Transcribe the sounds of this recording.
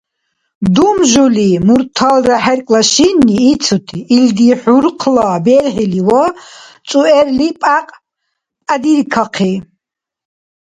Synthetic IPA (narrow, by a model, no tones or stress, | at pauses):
d̪umʒulimuɾt̪ʰalraħɛɾkʼlaʃiniːt͡sʰut̪ʰiːld̪iħuɾqʰlabɛɾʁiliwa | t͡sʼuɛɾlipʼaqʼ | pʼad̪iɾkʰaqʰi